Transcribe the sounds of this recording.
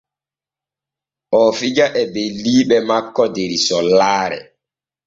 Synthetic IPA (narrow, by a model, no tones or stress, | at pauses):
ʔɔfid͡ʒaʔɛbeliːɓɛmakːɔdeɾisɔlaːɾɛ̰